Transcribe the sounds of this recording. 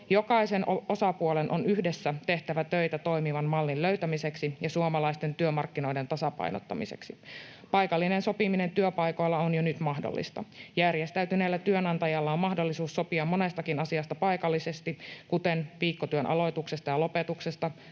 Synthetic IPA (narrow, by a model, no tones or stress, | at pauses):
jo̞kɑisenoo̞sɑpuolenʔonyhdesːæt̪e̞ht̪æʋæt̪øjt̪æt̪o̞jmiʋɑnmɑlːilløɥt̪æmiseksijɑsuomɑlɑist̪e̞nt̪yømɑrkːinojdent̪ɑsɑpɑ̰jno̰t̪ːɑ̰mḭsḛksi | pɑjkɑlːinensopimine̞nt̪yøpɑjko̞jlːɑonjonyt̪mɑhdo̰lːḭst̪ɑ̰jærjest̪æyɥt̪yneilːæt̪yønɑnt̪ɑjɑlːɑommɑhdo̞lːisuːsːo̞piɑmːo̞nest̪ɑkinɑsiɑst̪ɑpɑjkɑlːise̞st̪ikut̪enʋiːkːot̪yønʔɑ̰lo̞jt̪uksest̪ɑjɑlo̞pet̪uksest̪ɑ